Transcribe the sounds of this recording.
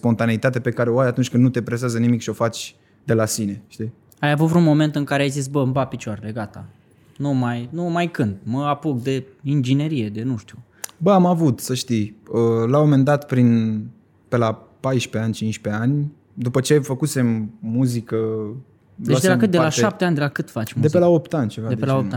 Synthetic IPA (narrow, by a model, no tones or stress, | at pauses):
spo̞nt̪aneit̪at̪epe̞kaɾe̞oajat̪unt͡ʃʲkɨnnut̪e̞pɾes̬eazənimikʃio̞fat͡ʃʲ | d̪e̞lasine̞ʃt̪i | ajavut̪vɾunmo̞me̞nt̪ɨŋkaɾeajzis̬bəmbapit͡ʃaɾele̞ɡat̪a̰ | numajnumajkɨnd̪məapukd̪e̞ | ind͡ʒine̞ɾije̞d̪e̞nuʃt̪u | bəamavut̪səʃt̪ijəlawomend̪at̪pɾin | pe̞la | pajʃpeanʲt͡ʃinʃpe̞anʲ | d̪upət͡ʃe̞fəkuse̞mːuzikə | ed̪elakɨt̪d̪elaʃap̚t̪eanʲd̪elakɨt̪fat͡ʃmud̪epelaopt̪anʲt͡ʃevad̪eelaoa